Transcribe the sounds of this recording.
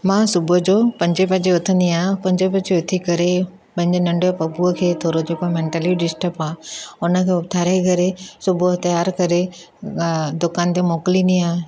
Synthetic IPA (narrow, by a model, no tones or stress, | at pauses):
mãsʊbʱʊd͡ʑoːpɐ̃ɲd͡ʑep̬ɐ̃d͡ʑeʊt̪ʰənd̪iaːpɐ̃ɲd͡ʑepɐ̃d͡ʑeʊt̪ʰikɐɾe | pɐ̃ɦɪ̃ɲd͡ʑɪnɐ̃ɳɖopɐbuəkʰeːt̪ʰoːɾod͡ʑopɐ̃mẽːɳʈəliɖɪsʈəpaːʊnə̆kʰeːʊt̪ʰaːɾeɡʱɐɾesʊbʱt̪ɐjaːɾkɐɾe | d̪ʊkaːnt̪emoːkliniaːɦ